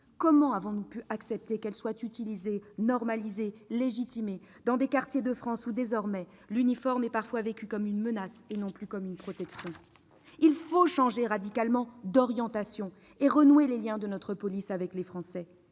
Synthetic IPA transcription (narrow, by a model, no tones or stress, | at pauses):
kɔmɑ̃avɔ̃nupyʔaksɛp̚t̪ekɛlswat̪yt̪ilizenɔʁmalizeleʒit̪ime | d̪ɑ̃d̪ekaʁt̪jed̪əfχɑ̃sud̪ezɔʁmɛ | lynifɔʁmɛpaʁfwavekʲykɔmynmənasenɔ̃plykɔmynpχɔt̪ɛksjɔ̃ | ilfoʃɑ̃ʒeʁad̪ikalmɑ̃d̪ɔʁjɑ̃t̪asjɔ̃ | eʁənweleljɛ̃d̪ənɔt̪χəpɔlisavɛklefχɑ̃sɛ